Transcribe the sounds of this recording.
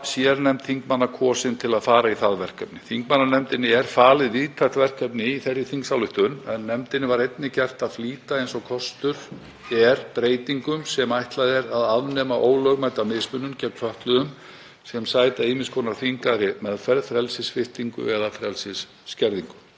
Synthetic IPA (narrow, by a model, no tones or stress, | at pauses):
sjɛɾnɛmt̪θiŋkmanːakʰɔːsɪnt̪ʰɪlaðfaːɾaiθaðvɛr̥kap̚nɪθiŋkmanːanɛmt̪ɪnːɪɛɾ̥faːlɪðviːt̪ʰaj̥ht̪vɛr̥kɛpnɪiθɛrːɪθiŋksawlʏht̪ʏnɛnːɛmt̪ɪnːɪvaɾejt̪nɪcɛr̥t̪aðfliːt̪aejnsɔkʰɔst̪ʏɾ̥ | ɛɾpɾeːjt̪iŋkʏmsɛmajht̪laðɛɾaðaðnɛːmaʔoːwlœɣmajt̪amɪsmʏnːʏmcɛpnfœht̪lʏðʏm | sɛmsaːjt̪aiːmɪskʰɔnaɾ̥θiŋkaɾɪmɛðfɛɾðfɾɛlsɪsfɪht̪iŋkʏ̰ɛðafɾɛlsɪsː | cɛɾðiŋkʏ̥